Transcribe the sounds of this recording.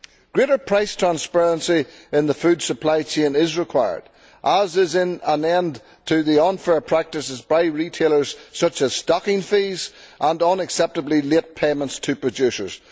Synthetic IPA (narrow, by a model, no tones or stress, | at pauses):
ɡ̥ɹeɾə˞pʰɹ̥aɪstʰɹ̥ãnspɛɹə̃nsiɪ̃nðəfʉdsəpʰl̥aɪt͡ʃʰẽnɪzɹɪkʰw̥aɪə̰˞d | ʔəzɪzɪ̃nə̃nɛ̃n | tʰɨðiə̃nfɛɹpʰɹ̥ak̚tɨsɨzbaɪɹitʰelˠə˞z̥sʌt͡ʃəz̥stɑkɪ̃ŋfizʔə̃nə̃nəksɛp̚təblˠilˠet̚pʰeɪmə̃ntstʰɨpʰɹ̥ɨd͡ʒʉsə̰˞z̥